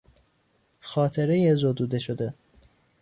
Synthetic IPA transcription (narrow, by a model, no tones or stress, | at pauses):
xɒːt̪ʰeɾejezod̪uːd̪eʃod̪e